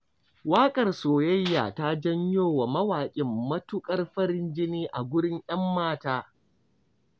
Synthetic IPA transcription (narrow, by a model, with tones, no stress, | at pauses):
waː˦kʼɐ˨rsoː˨jɐ˦jːa̰ː˨ta˦d͡ʒɐ˦ɲjoː˦wa˨mɐ˦waː˨kʲʼɪ˨mːɐ˦tʊ˦kʼɐ˦rɸɐ˦ɽɪ˦nd͡ʒɪ˦niː˦ʔa˨ɡʷʊ˦ɽɪ˦ŋj̰ɐ˦mːaː˦taː˦